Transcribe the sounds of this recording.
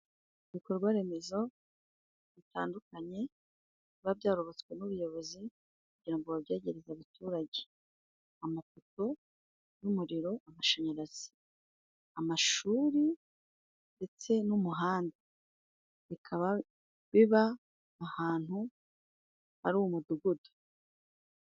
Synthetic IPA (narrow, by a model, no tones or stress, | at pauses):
iβiko̞ɾɡwaɾe̞me̞zo̞ | βita̰ːndukaɲe̞ | βaβjaːɾoɾot͡swe̞nuβujo̞βo̞zi | kuɟiɾaŋɡoβaβjaːɟe̞ɾezaβatuːɾaɟe | amafoto̞ | numuɾiɾo̞amaʃaɲaɾaz̥i̥ | amaʃuːɾi | nde̞t͡se̞numuɦaːnda | βikʰaβa | βiβaː | haːn̥hu | haɾuwumuduɡudo̥